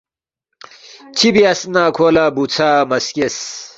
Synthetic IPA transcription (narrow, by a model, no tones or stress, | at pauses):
t͡ɕʰibiasnaːkʰolabut͡sʰamɐskes